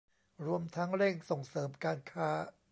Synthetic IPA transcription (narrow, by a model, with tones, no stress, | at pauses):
ɾu˧əmt̪ʰa˦˥ŋɾe˥˩ŋso˨˩ŋsɤː˩˦mkaː˧nkʰaː˦˥